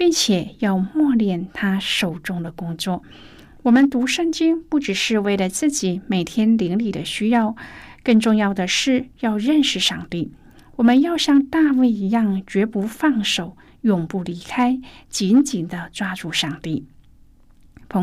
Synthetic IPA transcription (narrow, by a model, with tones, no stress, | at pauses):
pi˥˩ŋt͡ɕʰjɛ˨˩jɑ˥˧ʊmwɔ˥˧ljɛ˥˩nt̪ʰa˥ʂo˨˩ʊʈ͡ʂʊ˥ŋd̪ə˨kʊ˥ŋt͡swɔ˥˩ | wɔ˨˩mə˧˦nt̪u˧˥ʂə˥˧ŋt͡ɕi˥ŋpu˥˩ʈ͡ʂɻ̩˨˩ʂɻ̩˥˧we˥˩ɪlə˩t͡sɹ̩˥˩t͡ɕi˨˩˦me˨˩ɪt̪ʰjɛ˥nli˧˥ŋli˨˩d̪ə̰˦ɕy˥jɑ˥˧ʊkə˥˧ŋʈ͡ʂʊ˥˧ŋjɑ˥˩ʊd̪ə˩ʂɻ̩˥˩jɑ˥˧ʊɻə˥˧nʂɻ̩˥˧˩ʂɑ˥˧ŋt̪i˥˩ | wɔ˨˩mə˧˦njɑ˥˧ʊɕjɑ˥˧ŋt̪a˥˧we˥˩ɪi˧˥jɑ˥˩ŋt͡ɕɥɛ˧˥pu˧˥fɑ˥˩ŋʂo˨˩˦ʊ | jʊ˨˩ŋpu˥˩li˧˥kʰa˥ɪt͡ɕi˧˥nt͡ɕi˨˩nd̪ə˦t͡swa˥ʈ͡ʂu˥˧ʂɑ˥˧ŋt̪i˥˩ | pʰo˧˥